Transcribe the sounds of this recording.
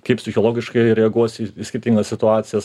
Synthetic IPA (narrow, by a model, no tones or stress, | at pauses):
kɐɪpʲsʲɪxʲoːlˠoːɡʲɪʃkɐɪɾʲɛɐɡuɔsʲisʲkʲɪɾʲt̪ʲiːŋɡɐssʲɪt̪ʊɑːt̪sʲɪjɛs